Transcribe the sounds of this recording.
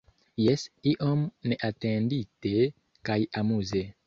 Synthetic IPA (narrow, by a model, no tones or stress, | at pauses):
jesiʔomneʔatẽndite | kajamuze